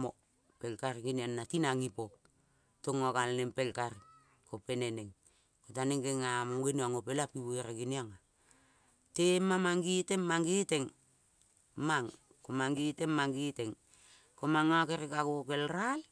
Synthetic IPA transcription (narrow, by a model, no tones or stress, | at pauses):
mo̰ | pelkaɾɡinianːatinaŋipok̚ | toŋokalnempelkaɾ | kopeneneŋ | kotaneŋɡeŋamoŋɡenoaŋopelapiβueɾaɡiniaŋa | temamaŋɡitemːaŋɡiteŋ | maŋ | komaŋɡitemmaŋɡiteŋ | komaŋakeɾekakokelɾal